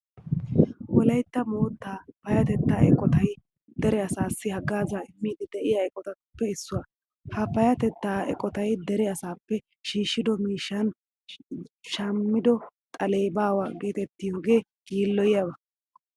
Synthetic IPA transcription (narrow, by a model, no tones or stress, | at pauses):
wɔlɐjt̪ːɐmo̞ːt̪ːaːpɐjɐt̪ɛt̪ːaːɛkʼɔt̪ɐj | d̪ɛɾɛɐsaːsːɪhɐɡaːzaɪmːiːd̪ɪd̪ɛʔɪjɐɛkʼɔt̪ɐt̪pːɛɪsːʊwɐ | hɐpɐjɐt̪ɛt̪ːaːɛ̰kʼɔt̪ɐjd̪ɛɾɛɐsaːpːɛ | ʃiːʃːɪd̪ɔmiːʃːɐn | ʃɐmːɪd̪ɔt̪ʼɐleːbaːwaːɡe̞ːt̪ɛt̪ːɪjoːɡe̞ː | ɡiːlːɔjjɐbɐ